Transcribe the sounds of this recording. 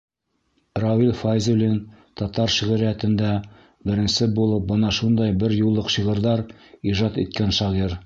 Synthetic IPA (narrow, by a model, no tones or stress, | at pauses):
rovilʲfajzulʲint̪ɑt̪ɑɾʃiʁɘ̆ɾæt̪ɘ̆nd̪æ | bɘ̆ɾɘ̆nsɘbulˠɤp̚bɤnɑʃund̪ɑjbɘɾjulˠːɤqʃiʁɤ̆ɾðɑɾiʒɑt̪ḭt̪̚kænʃɑʁiɾ